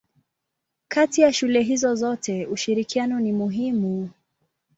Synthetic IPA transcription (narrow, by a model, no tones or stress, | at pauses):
kʰatijaʃulɛɦizɔzɔtɛuʃiɾikianɔnimuɦimu